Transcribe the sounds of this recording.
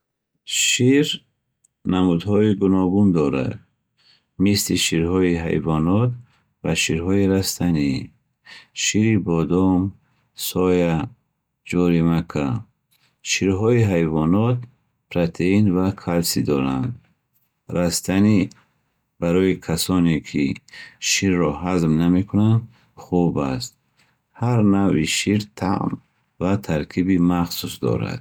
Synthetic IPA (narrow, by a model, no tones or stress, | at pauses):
ʃiɾ | namud̪hɔiɡunɔɡund̪ɔɾa̰d̪ | misliʃiɾhɔiɦa̰jvɔnɔt̪ | vaʃiɾɦɔiɾast̪ʰani | ʃiɾibɔd̪ɔm | sɔja | d͡ʒɔɾimakʰa | ʃiɾɦɔiɦajvɔnɔt̪̚ | pʰɾat̪ʰeinvakʰalsid̪ɔɾa̰nd̪ | ɾast̪ʰani | baɾɔikʰasɔnekʰiʃiɾːɔhazmname̞kʰunand̪ | χubast̪̚ | haɾnaviʃiɾt̪ʰa̰ʔm | vat̪ʰaɾkʰibimaχsusd̪ɔ̰ɾa̰d̪̥